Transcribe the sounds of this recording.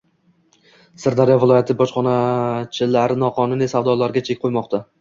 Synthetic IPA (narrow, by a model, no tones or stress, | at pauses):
sɪɾd̪aɾjɒvɪlˠɒjat̪ʰɪbɒʃχɒnat͡ʃʰɪlaɾnɒqʰɒnʊnisavd̪ɒlaɾɡʲat͡ʃʰe̞kʲqʰojmɒqt̪ʰa